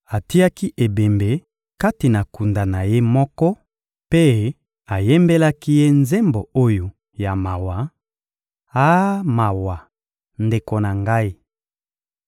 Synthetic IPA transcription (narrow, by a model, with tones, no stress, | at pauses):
a˨ti˦a˦ki˦ʔe˨be˨mbe˨ | ka˦ti˨na˨ku˨nda˨na˨je˦mɔ˦kɔ˦ | pe˦ | a˨je˦mbe˦la˦ki˦je˦nze˦mbo˨o˦jo˨ | ja˨ma˨wa˨ | a˦ma˨wa˨ | nde˨ko˨na˨ŋɡa˦i˦